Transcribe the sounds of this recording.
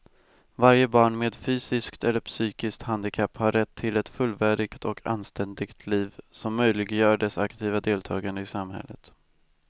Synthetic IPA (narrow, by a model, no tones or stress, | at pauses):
vaɾjəbɑːɳmeːd̪fyːsɪskt̪ɛlːəɾpsyːkɪskt̪hand̪ɪkʰapːhaɾɛt̪ʰːɪlɛt̪fɵlːvæːɖɪɡt̪ʰɔkʰa̰nst̪ɛnd̪ɪɡt̪ʰliːvsɔmːœjlɪɡəjœːɖɛsakt̪ʰiːvad̪eːlt̪ʰɑːɡand̪əɪsamhɛ̰lːə̰t̪